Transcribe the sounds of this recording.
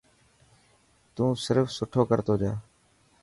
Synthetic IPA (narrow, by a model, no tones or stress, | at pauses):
t̪ũːsɪɾfsʊʈʰoːkəɾt̪oːd͡ʒaː